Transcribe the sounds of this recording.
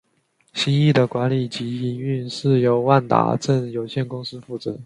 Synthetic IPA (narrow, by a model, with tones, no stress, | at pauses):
ɕi˥i˥˩d̪ə˩kwa˧˥nli˨˩t͡ɕi˧˥i˧˥y˥˧nʂɻ̩˥˩jo˧˥ʊwa˥˩nt̪a̰˨˩ʈ͡ʂə˥˩ŋjo˨˩ʊɕjɛ˥˩nkʊ˥ŋsɹ̩˥fu˥˩t͡sɤ˧˩˦